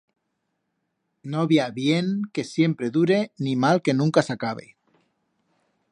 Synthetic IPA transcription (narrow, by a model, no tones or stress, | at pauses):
noβjaβjeŋkesje̞mpɾe̞ðuɾe̞nimalke̞nũŋkasakaβ̞ḛ